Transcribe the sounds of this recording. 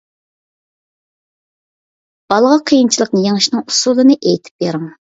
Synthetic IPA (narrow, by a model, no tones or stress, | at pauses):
b̥ɑlˠʁɑqʰəjint͡ʃʰilˠəqnɨjeŋɨʃnɨŋusulˠɨnɨʔejt̪ʰɪ̥p̚beɾɪŋ